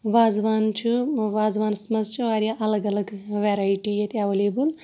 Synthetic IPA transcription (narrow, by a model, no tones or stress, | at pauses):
ʋaːzʋaːnt͡ʃʰuʋaːzʋaːnsmɐzt͡ʃʰuʋaːɾʲjaʔɐlɐɡɐlɐɡʋeːɾaːiʈijɐt̪iaʋɐleːbul